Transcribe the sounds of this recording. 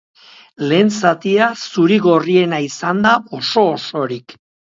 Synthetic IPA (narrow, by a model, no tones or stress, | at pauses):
le̞ːnsat̪iasuɾiɣo̞rie̞naisand̪ao̞so̞ːso̞ɾik